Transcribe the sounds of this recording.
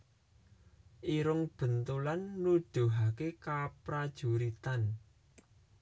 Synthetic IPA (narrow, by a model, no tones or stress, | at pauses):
ʔiɾʊŋb̥ə̤nt̪ulanːuɖ̥o̤ɦakekapɾad̥ʒ̥ṳɾit̪an